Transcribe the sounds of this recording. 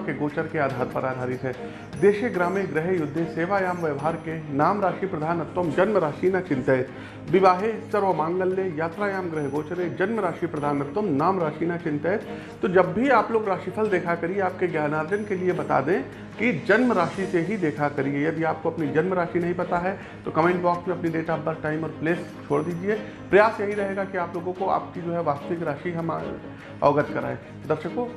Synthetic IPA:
keɡoːt͡ʃəɾkeaːd̪ʱaːɾpɐɾaːd̪ʱaːɾɪt̪ɦɛː | d̪eːʃeɡɾaːmeɡɾɪɦjʊd̪ʱːeseːʋaːjaːmʋəʋɦaːɾkenaːmɾaːʃipɾɐd̪ʱaːnɐt̪ːwəmd͡ʒɐnməɾaːʃiːnat͡ʃɪ̃nt̪əːt̪ʰ | bɪʋaːɦesɐɾʋəmãːŋɡəlːejaːt̪ɾaːjaːmɡɾɪɦɡoːt͡ʃɾed͡ʒɐnməɾaːʃipɾɐd̪ʱaːnɐt̪ːəmnaːmɾaːʃiːnat͡ʃɪ̃nt̪ɛːt̪ | t̪od͡ʒɐbːʱiaːploːɡɾaːʃipʰəld̪eːkʰakɐɾieaːp̚keɡjaːnaːɾd͡ʒənkeliebɐt̪a̰ːd̪ẽ | kid͡ʒɐnməɾaːʃiseɦid̪eːkʰakɐɾiejɐd̪iaːp̚koɐpnid͡ʒɐnmɾaːʃinɐɦĩpɐt̪aɦɛ | t̪okɐmẽɳɖbɔːksmẽɐpniɖeːʈabɐɾ̚ʈaːɪmɔːɾpleːst͡ʃʰoːɽd̪iːd͡ʒie | pɾɐjaːsjɐɦiɾɐɦeːɡakiaːploːɡõkoa̰ːp̚kid͡ʒoːɦɛʋaːst̪əʋɪkɾaːʃiɦɐma | ɔ̰ːɡət̪kɐɾa̰ːẽː | d̪ɐɾʃəko

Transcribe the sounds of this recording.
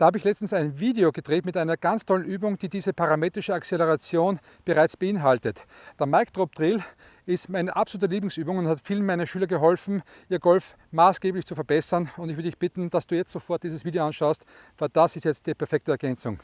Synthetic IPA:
d̥aːhaːbəɪçlɛt͡sstn̩sæɪnviːdeoɡəd̥ʁeːtmɪtʔaɪnɐɡ̥ant͡stʰɔlənʔyːbʊŋd̥iːdiːzəpʰaʁameːtʁɪʃəakt͡seləʁat͡sjoːn | b̥əʁaɪt͡sb̥əɪnɦaltətd̥eɐmaɪkd̥ʁop̚d̥ʁɪl | ɪstmaɪnəʔapsoluːtəliːblɪŋsʔyːbʊŋʊnthatfiːlən̩mæɪnɐʃyːlɐɡəɦɔlfn̩ | ʔiːɐɡɔlf | maːsɡ̥eːblɪçt͡sufɛɐbɛsɐnʊ̃ntɪçv̥ʏɾədɪçb̥ɪtn̩d̥asd̥uːjɛt͡sstz̥ofɔɐt̚d̥iːzəsv̥iːdeoanʃaʊst | væɪld̥asɪstjɛt͡st̚d̥iːpʰɛɐfɛk̚təɛɐɡɛnt͡sʊŋ

